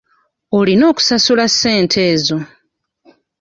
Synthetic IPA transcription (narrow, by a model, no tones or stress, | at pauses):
olino̞ːku̥sasulasːe̞ːntʰe̞ːzo̞